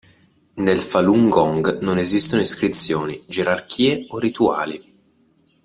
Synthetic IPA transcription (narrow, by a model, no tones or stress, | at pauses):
nelfaluŋɡɔŋɡnonezist̪onoiskɾit̪sːjoːnid͡ʒeɾark̟ʰiːeorit̪ua̰ːli